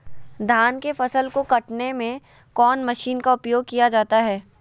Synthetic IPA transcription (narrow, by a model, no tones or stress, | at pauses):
d̪ʱaːnkefɐsəlkokɐʈnemẽ | kɔːnmɐʃiːnkaʊpjoːɡ̚kijad͡ʒaːt̪aɦɛː